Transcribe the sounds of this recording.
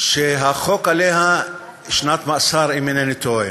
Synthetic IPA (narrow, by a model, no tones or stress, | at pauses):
ʃeɦaχokaleɦa | ʃnat̪maʔsaɾiminenit̪oj